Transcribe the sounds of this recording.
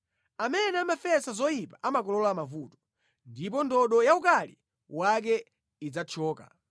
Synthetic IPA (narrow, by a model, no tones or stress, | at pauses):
amɛnɛamafɛsazɔjipaʔamakɔlɔlɔamavuːtɔ̥ | ndip̬ɔndɔɗɔjaukali | wak̬ɛ | id͡zat͡ʃʰɔːka̰